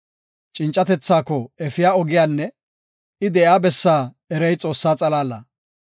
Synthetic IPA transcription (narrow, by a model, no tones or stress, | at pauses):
t͡ʃʼɪnt͡ʃʼːɐt̪ɛt͡sːaːkːɔɛfɪjaːɔɡɪjaːnːɛ | ɪd̪ɛjaːbɛsːaː | ɛɾɛjt͡sʼo̞ːsːaːt͡sʼɐlaːlːɐ